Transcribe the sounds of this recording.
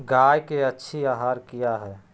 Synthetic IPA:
ɡaːjkeɐtːʃʰiaːɦaːɾkijaɦɛː

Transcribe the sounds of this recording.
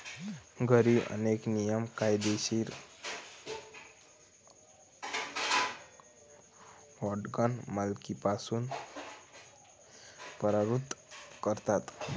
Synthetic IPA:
ɡʌɾiʔʌ̰neknijəmkajd̪esiɾ | wɔʈɡanmalkipasun | pəɾəɾut̪kʌɾt̪at̪

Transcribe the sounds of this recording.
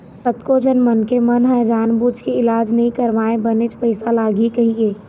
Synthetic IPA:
pət̪kod͡ʒənmənkemənɦə̃d͡ʒaːnbuːd͡ʒkeɪlaːd͡ʒnəɦĩkəɾʋaːẽbənet͡ʃpəɪsalaːɡʱikəɦĩɡeː

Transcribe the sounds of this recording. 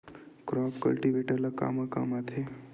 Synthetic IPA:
kɾɔpkɐ̰lʈiʋeʈələka̰maka̰mat̪ʰe

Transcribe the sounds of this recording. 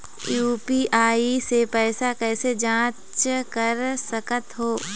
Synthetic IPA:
juːpiʔaːisepɛːsakɛːsed͡ʒãː | t͡ʃkəɾsəkət̪ɦoː

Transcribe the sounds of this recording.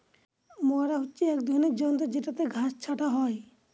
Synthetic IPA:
mɔaɾaɦut͡ʃiɛkd̪ʱɔnid͡ʒɔnt̪ɛd͡ʒɛʈat̪ɛɡʱast͡ʃʰaʈaɦɔj

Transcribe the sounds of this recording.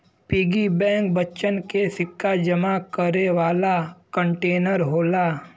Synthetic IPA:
piːɡibɛ̃ːŋk̚bəːʃənkesɪkʰːad͡ʒəmakəɾeʋaːlakə̃ɳʈeːnəɾɦoːlaː

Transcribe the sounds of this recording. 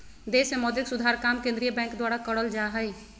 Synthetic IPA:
d̪eːsmemɔːd̪ɪksʊd̪ʱaːɾkaːmkẽnd̪ɾijəbɛ̃ːŋkd̪waːɽakəɽəld͡ʒaːɦəi

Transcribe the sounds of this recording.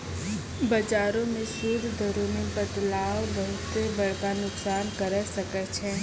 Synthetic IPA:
bəd͡ʒaːɾõmẽsuːd̪d̪ʱəɾõmẽpət̪laːobɐɦʊt̪ːebɐɽ̤kanʊksaːnkɐɾəsəkət͡ʃʰɛː

